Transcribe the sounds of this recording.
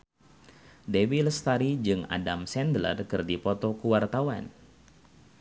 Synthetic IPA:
dewilst̪aɾid͡ʒɨŋa̰damsɛndlə̰rkɨrdipɔt̪ɔkuwart̪awan

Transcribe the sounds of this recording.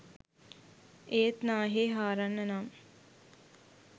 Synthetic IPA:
eːt̪naːɦeːɦaːɾanːɐnam

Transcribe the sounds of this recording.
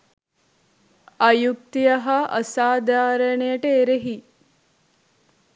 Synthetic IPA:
ɐjuk̚t̪ijɐɦaʔɐsaːd̪ʱaːɾɐɳejəʈəeɾeɦi

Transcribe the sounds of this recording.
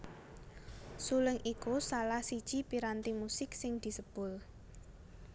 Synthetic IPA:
suləŋʔikusalahsid̥ʒ̥i̤piɾant̪imusɪksɪŋd̪̥i̤səb̥ʊ̤l

